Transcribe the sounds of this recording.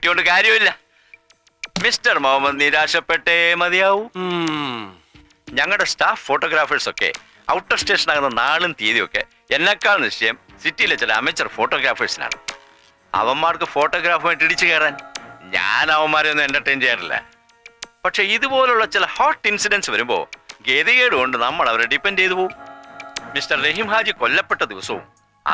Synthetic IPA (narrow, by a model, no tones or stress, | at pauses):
dikoɳɖɨkaːɾjɐmilːɐ | mistɐrmɐʋɐmːɐniɾaːʂɐpːe̞ʈːemɐðijaːʋu | ɲɐŋːɐɭɨɽe̞staːfːoːʈːoːɡɾaːfɐrso̞kːḛ | ɐ̰wʈːɐrste̞ːʂɐnaːɣɐnːɐnaːɭɨnt̪iːðijo̞̰kːe̞̰ | enːɐkːaːɭniʂɐjɐmsitːijile̞t͡ɕilɐɐ̰met͡ɕːɐrfo̞ːʈːo̞ːɡɾaːfɐrsina̰ːɳɨ̰ | ɐ̰ʋɐmːaːrkɨfo̞ːʈːoːɡɾaːfɐmaːjʈːiɽit͡ɕːɨke̞ːɽaːnɲa̰ːnɐʋɐmːaːɾienːɨendɐʈːeːmt͡ɕejːaːnːḭlːɐ̰ | pɐʈʂe̞ːiðupo̞ːleuɭːɐt͡ɕilɐhaːʈːinsiɖɐnsɨʋɐɾumbo̞̰ːɡeːðiɣeːɽɨko̞ɳɖɨnɐmːɐɭɐʋɐɾeɖipːendt͡ɕe̞jt̪upoːum | mistɐrːeɦimɦaːd͡ʑikolːɐpːeʈːɐd̪iʋɐsɐṵm̰ː